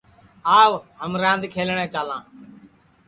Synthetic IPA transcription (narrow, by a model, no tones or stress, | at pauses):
aːʋɦəmɾãːnd̪kʰeːlɳẽːt͡ʃaːlãː